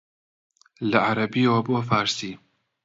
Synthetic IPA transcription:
lɐʕaɾɐbiːwɐboːfaːɾsiː

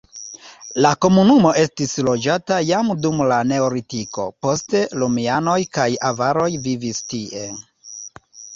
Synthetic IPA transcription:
lako̞munumo̞ʔe̞stislo̞d͡ʒatajamdumlane̞oɾitiko̞̰po̞ste̞lumiano̞jkajavaɾo̞jvivistie

